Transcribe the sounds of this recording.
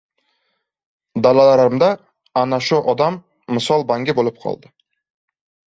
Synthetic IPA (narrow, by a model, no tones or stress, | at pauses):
d̪alalaɾaɾɪmd̪a | anaʃʊʔɒd̪amː | ɪsɒlˠbaŋɡʲɪbolɪp̚qʰɒ̰lˠd̪ɪ